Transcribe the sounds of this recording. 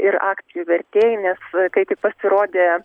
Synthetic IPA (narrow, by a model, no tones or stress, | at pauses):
ɪɾɑːkt̪sʲɪjuʋʲɛɾʲt̪ʲeːjɪnʲɛskɐɪt̪ʲɪk̚pɐsʲɪɾoːd̪ʲeː